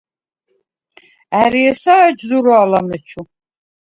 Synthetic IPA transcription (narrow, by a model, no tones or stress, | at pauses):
æɾiɛsaːd͡ʒzuɾɔalamɛt͡ʃʰu